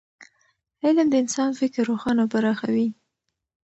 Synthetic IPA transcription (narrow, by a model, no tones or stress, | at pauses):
ɪland̪əɪnsɑnfɪkɾːoxɑnabaɾɑxawi